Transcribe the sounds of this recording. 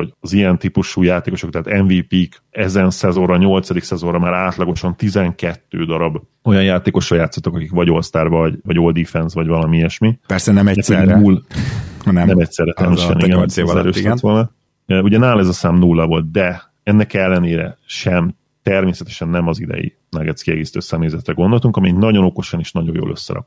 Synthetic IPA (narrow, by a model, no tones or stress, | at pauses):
ho̞ɟɒzijɛnt̪ipuʃuːjaːt̪eːko̞ʃokt̪ɛɦːt̪ɛɱviːpiːk | ɛzɛnsɛzo̞nrɒɲo̞lt̪sɒd̪iksɛzo̞rɒmaːɾaːt̪lɒɡo̞ʃɒnt̪izɛŋkɛt̪ːøːd̪ɒɾɒb | o̞jɒnjaːt̪eːko̞ʃːɒjaːt̪sːot̪ːɒkɒkikʋɒɟo̞lst̪aːrvɒɟvɒɟoːld̪ifɛnsʋɒɟʋɒlɒmiɛʃmipɛrsɛnɛmɛɛsunul | nɛnɛmɛc̚sɛrːɛt̪ɛmiʃɛ̰niɡɛɛɾøːʃɛt̪ʋo̞lnɒ | øuɟɛnaːlɛzɒsaːmnulːɒvo̞lt̪̚d̪ɛ | ɛnːɛkɛlːɛneːɾɛ̰ʃɛm | t̪ɛrmeːsɛt̪ɛ̥ʃɛnːɛmɒzid̪ɛ̰jḭ | nɛɡɛt̪skiɛ̰ɡeːsi̥t̪øːsɛmeːzɛt̪rɛɡo̞nd̪o̞lt̪uŋkɒmiɛnɒɟo̞noko̞ʃɒniʃnɒɟo̞jo̰ːlʔø̰sːɛ̰ɾɒ̰k̚